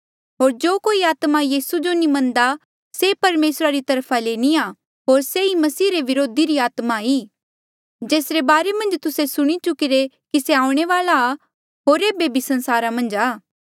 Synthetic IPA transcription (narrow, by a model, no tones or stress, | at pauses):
ɦoːɾd͡ʒoːkoːiaːt̪majiːsud͡ʒonĩmɐ̃nd̪a | sepɐɾmeːsɾaɾit̪ɐɾpʰaleːnia | ɦoːɾseimɐsiːɾeʋɪɾoːd̪iɾiaːt̪maiː | d͡ʒeːsɾebaːɾemɐ̃nd͡ʒt̪ʊsesʊɽ̃it͡ʃʊkiɾekiseaːʊ̃ɽ̃eʋaːlaː | ɦoːɾeːbebisɐ̃nsaːɾamɐ̃nd͡ʒaː